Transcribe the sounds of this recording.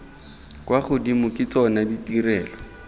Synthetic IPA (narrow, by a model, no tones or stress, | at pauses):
kwaχʊdimʊkʼɪt͡sɔnaditʼirɛːlɔ